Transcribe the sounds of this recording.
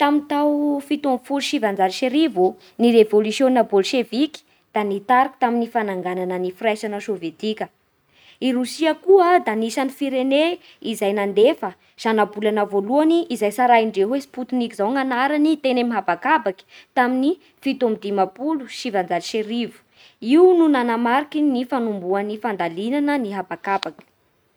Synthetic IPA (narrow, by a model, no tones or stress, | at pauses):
t̪amint̪awfit̪omfuluʃivand͡zaliʃeɾivu | niɾevolusjoninabolʃeviki̥ | d̪̥anit̪aɾki̥t̪aminifanaŋɡananənifrajʃanəʃovet̪ikʲə | iɾusiəkuəd̪anisanifiɾene | izajnand̪efə | z̥anabulanəvoluaniʔːzajsaɾaiɳɖ͡ʐeɦwesi̥put̪unikizawŋanaɾanit̪enemiɦabakabaki̥t̪amini | fit̪omid̪imapuluʃivand͡zalʃeɾivu̥ | iununanamaɾikinifanumbuanifand̪alinanəniɦabakabakʲi̥